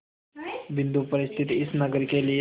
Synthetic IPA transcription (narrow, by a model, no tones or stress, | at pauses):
ʋind̪upəɾist̪ʰit̪iisnəɡəɾkeli